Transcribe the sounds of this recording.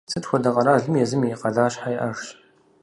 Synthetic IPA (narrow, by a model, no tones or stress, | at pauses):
t͡sʰɨtxʷɔdɐqɐɾaːɮɨmjɛzɨmiqɐɮaːɕħajʔɐʂɕ